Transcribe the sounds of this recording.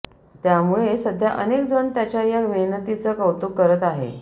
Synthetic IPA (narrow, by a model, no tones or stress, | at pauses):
t̪jamuɭesəd̪ʱjaʔənekd͡zəɳt̪jat͡ɕajameɦnət̪it͡səːkəwt̪ukːəɾət̪aɦḛ